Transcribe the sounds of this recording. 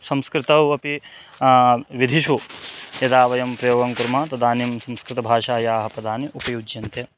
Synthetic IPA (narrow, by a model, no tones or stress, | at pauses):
sɐmskɾɪt̪ɐwɐpi | ʋid̪ʱiʃujɐd̪aːʋɐjɐmpɾɐjoːɡɐŋkuɾmaːt̪ɐd̪aːnimsɐmskɾɪt̪ɐbʱaːʃaːjaːɦɐpɐd̪aːniʔupɐjud͡ʒjɐnt̪e